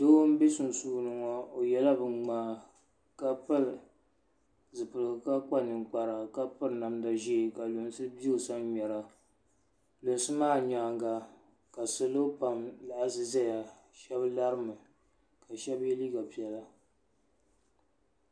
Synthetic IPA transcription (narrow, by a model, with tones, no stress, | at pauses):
doː˦m̩˦be˦sʊ˨n˨suː˦nɨ˨ŋɔ˦o˨jɛ˦la˦bɨ˦ŋ͡maː˦ | ka˦pɨ˦ɾ | zɨ˨pɨ˨lɨ˨ɡɨ˨ka˦k͡pa˦nɨ˨ŋk͡pa˨ɾa˨ka˦pɨ˦ɾna˨mda˨ʒi˦˨ka˨lo˨n˦sɨ˦bi˦ɨ˨sa˦ɲɲɛ˨ɾa˨ | lo˨n˨sɨ˦maː˦˨ɲa˨ŋɡa˨ | ka˨sɨ˦lo˦pa˨mla˨ʔa˨zɨ˦za˦ja˨ | ʃɛ˦bla˦ɾɨ˦mɨ˨ | ka˨ʃɛ˦bɛ˦liː˦ɡa˨pi˨ɛ˨la˦